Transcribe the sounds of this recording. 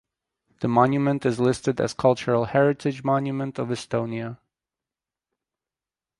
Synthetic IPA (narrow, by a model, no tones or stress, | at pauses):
ðɨmɑ̃njɨmɨ̃ntɨzlɪstɨɾɨ̰z̥kʰʌlˠt͡ʃə˞l̩ˠhɛɹɨtʰɨd͡ʒmɑ̃njɨmə̃ntʌvɨstõʊ̃niə